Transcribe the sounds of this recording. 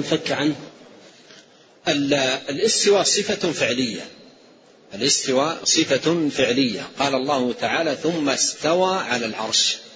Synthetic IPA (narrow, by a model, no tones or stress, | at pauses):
nfakːʕan | ʔɪlɪlʔɪst̪ɪwaːsˤɨfafɪʕlɪjːa̰ | ʔɪlʔɪst̪ɪwasˤɨfafɪʕlɪjːa̰qɑːlɑlˤːɑːhʊt̪aʕaːlaθʊmːast̪awaːʕalalʕɑ̰ɾˤʃ